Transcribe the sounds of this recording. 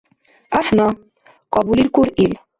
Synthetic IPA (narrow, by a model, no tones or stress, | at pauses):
ʔaħna | qɑbuːlɪlkʊɾʔil